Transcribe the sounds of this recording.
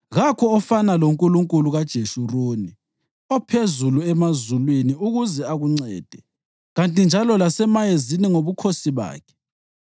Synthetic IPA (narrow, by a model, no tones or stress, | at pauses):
ɣakʰɔːfanaloŋkʼuluŋkʼuluɣad̥ʒ̥ʱeʃuroːni | ɔpʰezuluɛmazulweniuɣuzɛaɣuŋ͡ǀɛ̰ːd̥ʱɛ | ɣantʼind͡ʒʱalɔlasɛmajeziniŋoβukʰosiβa̰ːkʰɛ̥